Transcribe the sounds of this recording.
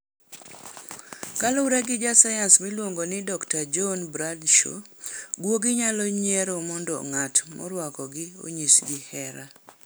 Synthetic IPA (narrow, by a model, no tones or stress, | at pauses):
kalɔuɾɛɡɪd͡ʒasajansmilwoŋɡonɪdɔktad͡ʒɔnbɾadʃo̰ɡwoɡɪɲalɔɲɛɾɔmɔndɔŋatmɔ̰ɾwakɔɡɪo̰ɲisɡɪhɛɾa